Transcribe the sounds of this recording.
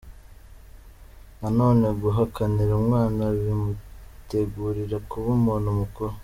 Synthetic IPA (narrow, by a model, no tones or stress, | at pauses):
nano̞ːne̞ɡuɦakaniɾumŋaːnaβimute̞ɡuːɾiɾakuβumonomukuɾo